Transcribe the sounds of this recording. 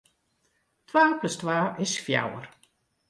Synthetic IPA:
twaːpləstwaːʔɪsfja̰wə̰ɾ

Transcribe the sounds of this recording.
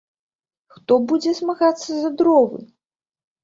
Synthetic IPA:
xt̪ɔbud͡zʲɛsmaɣat̪sːɐzɐd̪ɾɔvɨ̰

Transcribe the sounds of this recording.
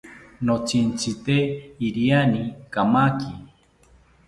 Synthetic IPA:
not͡ʃint͡sit̪eiɾianikamaki

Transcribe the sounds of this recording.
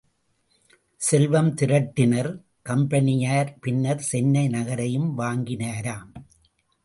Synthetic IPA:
sɛlʋɐmt̪ɪɾɐʈːɪnɐɾ | kɐmbɐnɪjaːɾpɪnːɐɾsɛnːɐɪnɐɣɐɾɐjɯmʋaːŋɡɪnaːɾaːm

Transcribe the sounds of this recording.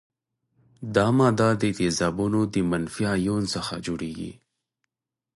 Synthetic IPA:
d̪ɑmɑd̪ɑd̪ət̪ezɑbunod̪əmanfijɑjonsəxad͡ʒoɽeɡḭ

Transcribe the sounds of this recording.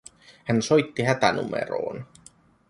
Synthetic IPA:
hænso̞jt̪ːiɦæt̪ænṵmḛɾo̰ːn

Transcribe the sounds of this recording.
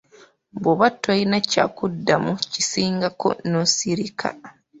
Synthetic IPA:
βoβatːajinaca̰ːkudːamucisiːŋɡako̞̰nosiɾikʰa̰

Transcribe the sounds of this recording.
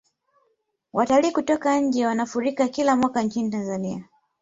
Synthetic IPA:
wʔataliːkutɔkaɲ̩d͡ʒɛwanafuɾikakilamwakaɲt͡ʃinitanzania

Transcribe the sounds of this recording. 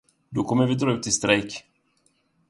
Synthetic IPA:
d̪ɔkʰɔmːəvɪd̪ɾɑːʉːt̪ʰːɪst̪ɾɛjk

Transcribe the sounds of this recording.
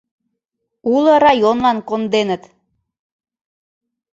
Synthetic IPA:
ulɤɾɑjonlɑnkond̪enət̪

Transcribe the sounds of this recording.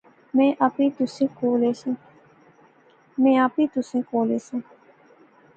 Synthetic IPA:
mɛ̃ːʔəpĩt̪ʊsẽːkoːleːsẽ | mɛ̃ːapĩt̪ʊsẽkoːleːsẽː

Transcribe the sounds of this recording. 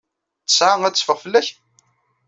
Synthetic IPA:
ə̥sʕaŋæt͡sːfəʁfəlːæç

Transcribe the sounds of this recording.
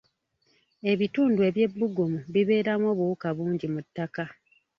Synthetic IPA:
e̞βituːndue̞βje̞bːuɡomuβiβe̞ːɾamwo̞ːβuukaβuːɲɟimutːaka

